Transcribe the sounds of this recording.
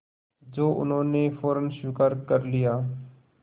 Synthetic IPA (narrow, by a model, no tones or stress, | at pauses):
d͡ʒoːʔʊ̰nɦõːnefɔːɾənʃɪkaɾkəɾlijaː